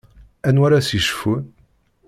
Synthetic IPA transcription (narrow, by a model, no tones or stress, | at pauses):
ænwaɾasiʃfun